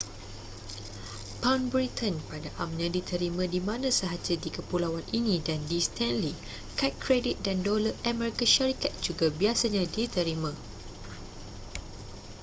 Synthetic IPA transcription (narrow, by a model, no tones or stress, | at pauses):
pawnbɾit̪ʰə̃npadaʔamɲãdit̪ʰəɾimãdimãnãsəɦad͡ʒadikəpulawanʔinĩdandist̪ʰɛ̃nli | kat̚kɾedit̪̚dandoləʔamɛɾikaʃaɾikat̪̚d͡ʒuɡabiasaɲãdit̪əɾimã